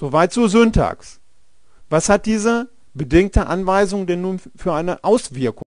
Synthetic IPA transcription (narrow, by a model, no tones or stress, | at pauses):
z̥ovaɪtz̥oːzøntʰa̰ːks | v̥ashat̚d̥iːzə | bədɪŋk̚təʔanvaɪzʊŋdɛnːuːnfyːɐʔaɪnəʔaʊsv̥ɪɐkʊ